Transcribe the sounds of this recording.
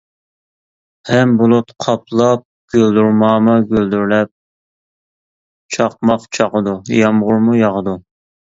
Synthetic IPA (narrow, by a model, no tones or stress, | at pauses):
hɛmbolˠʊt̪qʰɑplˠɑp̚ɡ̥ʲøld̪yɾmɑːmɨɡʲøld̪yɾlɛp̚ | t͡ʃʰɑq̚mɑqt͡ʃʰɑqəd̪ujɑmʁʊɾmujɑʁəd̪u